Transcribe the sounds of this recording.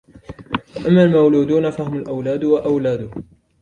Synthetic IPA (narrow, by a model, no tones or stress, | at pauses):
waʔamːalmawluːd̪uːnafahʊmalʔawlaːd̪waʔawlaːd̪ʊh